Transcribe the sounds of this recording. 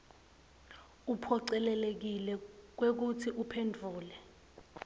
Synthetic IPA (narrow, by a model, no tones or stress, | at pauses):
upʰɔǀɛlɛlek̬ilɛk̬wek̬utʰiʔupʰendʱuːlɛ